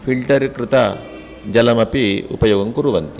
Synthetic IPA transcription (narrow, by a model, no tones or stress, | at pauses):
pʰiɭʈɐɾikɾɪt̪ɐ | d͡ʒɐlɐmɐpiṵpɐjoːɡɐŋkuɾuʋɐnt̪i